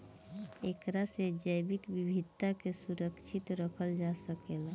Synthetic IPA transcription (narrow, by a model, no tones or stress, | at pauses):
ekɾased͡ʒəjbikbibʱid̪̚t̪ːakesuɾəkʃʰit̪ɾəkʰəld͡ʒasəkela